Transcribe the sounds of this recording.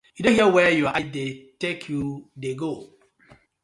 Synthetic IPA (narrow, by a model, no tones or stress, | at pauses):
judõnhiəwɛjuʔadetekʰjudeɡo